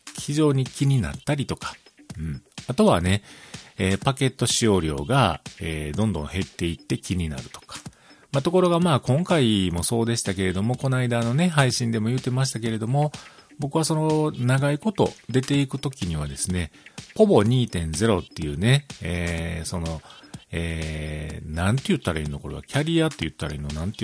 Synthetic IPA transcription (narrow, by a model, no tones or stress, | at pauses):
çiʑo̞ːɲ̟ikʲiɲ̟ina̰t̪ːaɾʲit̪o̞kḁ | ɯ̟̃ɴat̪o̞βane̞eːpake̞t̪ːo̞ɕio̞ːɾʲo̞̰ːɡaeːd̪õ̞nd̪õ̞̰ɰ̃ɦe̞t̪ːe̞it̪ːe̞kʲiɲ̟ina̰ɾɯ̟̥t̪o̞̥kḁ | mat̪o̞ko̞ɾo̞ɡamaːkõ̞ŋkaimo̞so̞ːd̪e̞ɕi̥t̪ake̞ɾe̞d̪o̞mo̞ko̞naid̪ano̞ne̞ɦaiɕĩnd̪e̞mo̞jɯ̟ːt̪e̞maɕ̬i̥t̪ak̬e̞ɾe̞d̪o̞mo̞bo̞kɯ̟βaso̞no̞naɡaiko̞t̪o̞̰d̪e̞t̪e̞ikɯ̟t̪o̞kʲiɲ̟iβ̞ad̪e̞sɨne̞po̞bo̞ɲ̟iːt̪ẽ̞nd͡ze̞ɾo̞t̪ːe̞jɯ̟ːne̞eːso̞no̞eː | nãnt̪e̞jɯ̟t̪ːaɾaḭ̃nːoko̞ɾoβa̰kʲʰaɾʲiat̪ːe̞jɯ̟t̪ːaɾa̰ḭ̃nːonãnt̪e